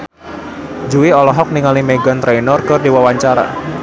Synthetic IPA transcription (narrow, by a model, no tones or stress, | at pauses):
d͡ʒuwiɔlɔɦɔk̚niŋalimeɡant̪ɾejnɔrkɨrdiwawaɲt͡ʃaɾa̰